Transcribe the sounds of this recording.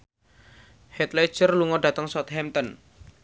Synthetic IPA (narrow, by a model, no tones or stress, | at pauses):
hɛt̪lɛ̥ʒ̥ərluŋɔɖat̪əŋsɔt̪hɛmt̪ɔn